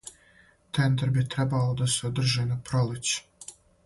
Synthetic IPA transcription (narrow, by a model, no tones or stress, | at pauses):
t̪ʰend̪eɾbit̪ɾɛbalod̪asɛod̪r̩ʒinapɾolˠɪt͡ɕ